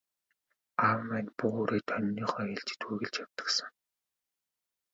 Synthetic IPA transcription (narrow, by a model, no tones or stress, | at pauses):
aw̆mænpuoːɾeːt̪ʰœnʲːiːχœːeɮt͡ɕɪ̥̆t̪xuːɣɘ̆ɮt͡ɕjawt̪ə̥̆ksə̆ŋ